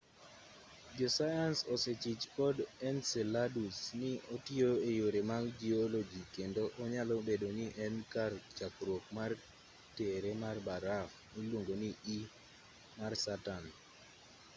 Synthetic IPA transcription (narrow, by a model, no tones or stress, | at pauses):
d͡ʒɔsajansɔset͡ʃit͡ʃkɔdɛnsɛladusnɪotioejoɾemaɡd͡ʒiolod͡ʒikendoʔːɲalɔbedonɪʔɛnkart͡ʃakɾwokmar | teɾemarbaɾaf | nilwoŋɡonii | marsatan